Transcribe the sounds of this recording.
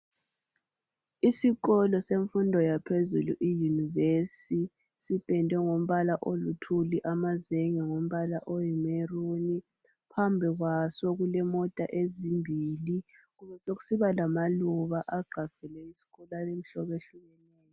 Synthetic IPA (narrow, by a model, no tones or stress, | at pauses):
isiɣɔlɔseɱfundʱɔjapʰezṵlṵʔijunivesi | sipʼɛndʱɛŋom̩βalaʔolutʰuliʔamazeŋɛŋom̩βalaʔojimeruni | pʰambʱiɣwasɔɣulɛmɔtʼa̰ʔezimbʱili | ɣuβɛsoɣu̥siβalamaluβaʔaɡ͡ǃʱaɡ̥ʱɛlɛisi̥ɣɔlaem̩ɬɔβeɬuɣɛnɛːjɔ